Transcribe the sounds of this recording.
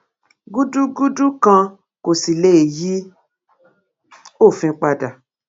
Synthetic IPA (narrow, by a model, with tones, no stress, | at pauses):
ɡu˦du˦ɡu˦du˦kã˧ | ko˨si˨le˦˨ji˦ | o˦˨fĩ˧˦k͡pa˧da˨